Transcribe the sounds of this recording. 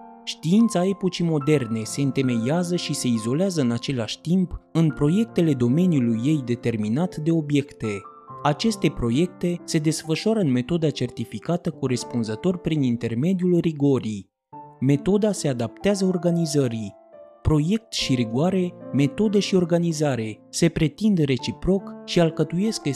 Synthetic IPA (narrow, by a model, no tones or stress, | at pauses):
ʃt̪iint̪sae̞po̞t͡ʃimo̞d̪e̞rne̞se̞ɨnt̪e̞me̞jazəʃise̞izo̞leazəɨnat͡ʃe̞laʃʲt̪impɨnpɾo̞je̞k̚t̪e̞le̞d̪o̞me̞nijulujːe̞jd̪e̞t̪e̞rminat̪d̪e̞o̞bje̞kt̪e̞ | at͡ʃe̞st̪e̞pɾo̞je̞k̚t̪e̞se̞d̪e̞sfəʃoaɾəɨnme̞t̪o̞d̪at͡ʃe̞rt̪ifikat̪əkoɾe̞spunzət̪o̞rʲpɾinint̪e̞rme̞d̪ijulriɡo̞ɾi | me̞t̪o̞d̪ase̞ad̪ap̚t̪eazəo̞rɡanizəɾi | pɾo̞je̞k̚t̪ʃiɾiɡuaɾe̞me̞t̪o̞d̪eʃio̞rɡanizaɾe̞se̞pɾe̞t̪ind̪re̞t͡ʃipɾo̞kʃialkət̪uje̞sk